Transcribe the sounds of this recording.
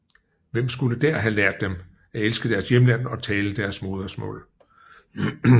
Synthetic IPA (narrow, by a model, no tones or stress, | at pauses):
ʋem̰sɡ̥uləd̥æɐ̰ɦælæɐ̰d̥ːem | æelsɡ̥əd̥æɐsjemlæn̰ɒ̽t͡sʰɛːləd̥æɐsmo̝ːð̞ˠɐsmɔ̰̽ːl